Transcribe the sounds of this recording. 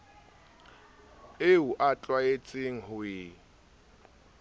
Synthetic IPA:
euʔat͡ɬʼwaet͡sʼɪŋ̩ɦʊɪ

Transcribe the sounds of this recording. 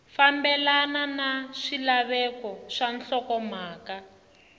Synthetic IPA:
fambɛlananaʂilaβɛkɔʂanɬɔkɔmaːka

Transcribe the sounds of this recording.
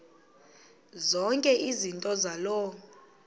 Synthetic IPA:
zɔŋkʼɛʔizintʼɔzalɔ

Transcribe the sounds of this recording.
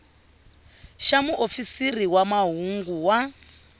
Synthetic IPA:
ʃamuʔofisiriwamaɦuŋɡuwa

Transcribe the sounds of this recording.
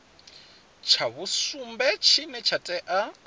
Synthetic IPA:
t͡ʃʰaβusumbɛt͡ʃʰinɛt͡ʃʰatʼɛʔa

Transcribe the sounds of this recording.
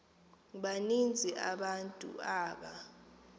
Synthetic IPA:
ɓanind͡zʱiʔa̰ɓantʼṵaːɓa

